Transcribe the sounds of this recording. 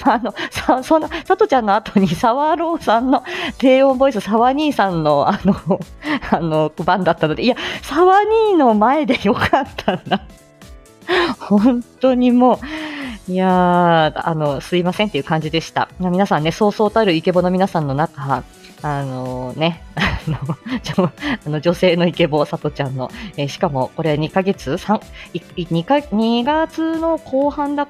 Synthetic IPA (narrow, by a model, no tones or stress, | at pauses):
no̞sasõ̞nːasat̪o̞t͡ɕãnːo̞at̪o̞ɲ̟isaβaɾo̞ːsãnːo̞t̪e̞ːõ̞mbo̞isɨsaβaɲ̟iːsãnːo̞ano | ano̞kbãnd̪at̪ːanod̪e̞iasaβaɲ̟iːno̞mae̞d̪e̞jo̞kʰat̪ʰːand̪a | hõ̞nt̪o̞ɲ̟imo̞ː | ia | a̰no̞sɨimasent̪ːeiɯ̟kãɲ̟d͡ʑid̪e̞ɕi̥t̪a̰mamʲinasãnːe̞so̞ːso̞ːt̪aɾɯ̟ike̞bo̞no̞mʲinasãnːo̞nakaː | no̞ne̞anod͡ʑoano̞d͡ʑo̞se̞ːno̞ike̞bo̞sat̪o̞t͡ɕãnːo̞̰eːɕi̥kamo̞ko̞ɾe̞aɲ̟ikaɡe̞t͡sɨsãŋiɲikaɲ̟iɡat͡sɨno̞kʰo̞ːhãnd̪a